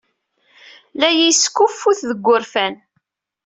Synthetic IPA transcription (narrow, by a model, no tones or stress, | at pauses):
læjiskːufːuθðəɡʷːʊɾfæn